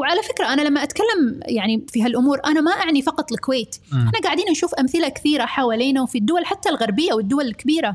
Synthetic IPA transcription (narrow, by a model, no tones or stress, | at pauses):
wʕalafɪkɾaʔanalamːaʔat̪kalːamjaʕnifiɦalʔʊmuːɾʔanamaʔaʕnifɑqɑt̪ˤlɪlkʊweːt̪ʔɪħnaɡaʕd̪iːnʔaʃuːfʔamθɪlakɪ̥θiːɾaħawaːliːnawfid̪ːʊwalħat̪ːalɣɑɾˤbɪjːawɪd̪ːʊwalɪlkabiːɾa